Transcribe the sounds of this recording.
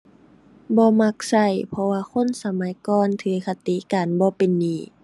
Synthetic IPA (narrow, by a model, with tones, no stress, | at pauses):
bɔː˧˦ma˧k̚sa˧˩jpʰɔ˧waː˧kʰo˧˥˨nsa˨˧ma˨˦jkɔː˧˨nt̪ʰɯː˨˦kʰa˧t̪i˧˦kaː˨nbɔː˧˦pe˨nːiː˧˩